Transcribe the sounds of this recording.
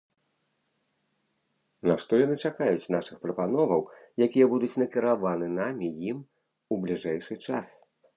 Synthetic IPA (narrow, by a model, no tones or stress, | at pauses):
naʂt̪ɔjanɨt͡ʂakajut͡sʲnaʂɨxpɾɐpanɔvɐwjakʲijɐbud̪ut͡sʲnɐkʲiɾavanɨnamʲijim | ublʲiʐɛjʂɨt͡ʂa̰s